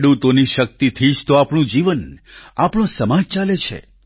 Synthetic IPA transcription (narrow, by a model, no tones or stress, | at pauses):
ɽut̪oniʃək̚t̪it̪ʰid͡ʒt̪oapɳ̃ũd͡ʒiʋənapɳõsəmad͡ʒt͡ʃalet͡ʃʰḛ